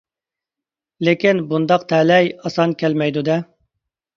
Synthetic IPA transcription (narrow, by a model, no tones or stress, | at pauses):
lekʲinbund̪ɑqt̪ʰɛlɛjɑsɑnkʲʰɛlmɛjd̪ud̪ɛ